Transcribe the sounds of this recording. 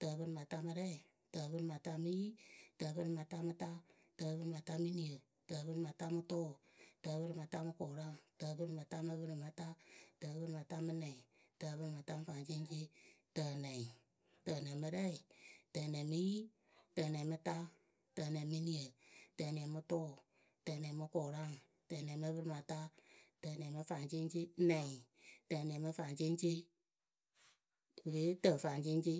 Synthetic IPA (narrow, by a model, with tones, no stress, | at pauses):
tə˧bɨ˧ɾɨ˧ma˨ta˧mɨ˧ɾɛ˦i˨ | tə˧βɨ˦˧ɾɨ˧ma˨ta˧mɨ˦ji˦tə˧bɨ˧ɾɨ˧˨ma˨ta˧mɨ˧ta˦ | tə˧βɨ˦ɾɨ˧ma˨˧ta˧mɨ˦ni˦ə˨ | tə˧βɨ˦ɾɨ˧ma˨ta˧mɨ˧to˦˨tə˧βɨ˦ɾɨ˧ma˨˧ta˧˦mɨ˧ko˨ɾa˦tə˧bɨ˦˧ɾɨ˧ma˨˧ta˧˦mɨ˧βɨ˧ɾɨ˧ma˧ta˦tə˧βɨ˦ɾɨ˧ma˨ta˧mɨ˧˦nɛ˨i˨tə˧βɨ˦ɾɨ˧ma˨ta˧˦mɨ˧fa˨t͡ʃi˦nd͡ʒi˦tə˧nɛ˨i˨ | tə˧˨nɛ̃˨mɨ˧ɾɛ˦˨i˨təː˨nɛ̃˨mɨ˧˦ji˦ | təː˨nɛ̃˨mɨ˧ta˦ | tə˨nɛ̃˨mɨ˦nĩ˧ə˨təː˧˨nɛ̃˨mɨ˧tɔː˦˨ | tə˨nɛ̃˨mɨ˧kɔː˨ɾa˦˨ŋ | tə˨nɛ̃˨˦mɨ˧˦bə˧ɾɨ˧˨mã˧ta˦tə˧˨nɛ̃˨mɨ˧fa˨nt͡ʃe˦n˦t͡ʃe˦nɛ̃˨i˨ | tə˨nɛ̃˨˦mɨ˧fa˨ŋt͡ʃe˦n˦t͡ʃe˦˨ | we˨˦tə˨fa˨ŋt͡ʃe˦n˦t͡ʃe˦